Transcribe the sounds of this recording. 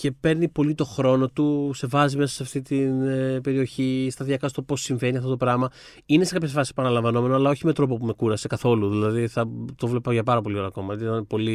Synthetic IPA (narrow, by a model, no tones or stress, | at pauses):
ce̞pe̞ɾnipo̞lit̪o̞xɾo̞no̞t̪use̞vɐzimesɐsɐft̪it̪inpe̞ɾio̞çist̪ɐðiɐkɐst̪opo̞siɱve̞niɐft̪ot̪opɾɐmɐ | inesekɐpçe̞sfɐsi̥sepɐnɐlɐɱvɐno̞me̞noɐlɐo̞çime̞t̪ɾo̞p̬o̞pume̞kuɾɐse̞kɐθo̞luðilɐðiθɐt̪ovlepɐʝɐpɐɾɐpo̞lio̞ɾɐːko̞mɐiɐnpo̞li